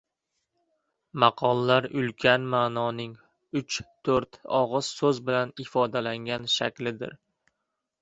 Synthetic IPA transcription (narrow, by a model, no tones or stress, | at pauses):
maqʰɒlˠlaɾʊlkʲʰanmaːnɒnɪŋ | ʊt͡ʃʰː | ɵɾt̪ɒʁɨz̥sɵzbɪlanɪfɒd̪alaŋɡʲanʃa̰kʲlɪd̪ɪ̰ɾ